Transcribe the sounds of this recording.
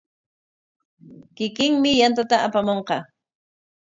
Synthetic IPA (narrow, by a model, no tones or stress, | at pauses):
kɪkɪŋmɪjant̪at̪aapamoɴqɑ